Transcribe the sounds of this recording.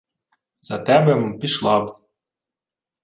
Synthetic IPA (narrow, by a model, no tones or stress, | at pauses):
z̥ɑt̪æbɘmpiʃlˠɑb